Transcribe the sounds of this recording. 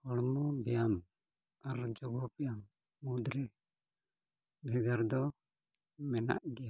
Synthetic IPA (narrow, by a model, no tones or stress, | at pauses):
hɔɽmɔbɛjam | aɾd͡ʒɔɡɔpɛjam | mud̪ɾɛ | bʱɛɡaɾd̪ɔ | mɛna̰ʔɡɛja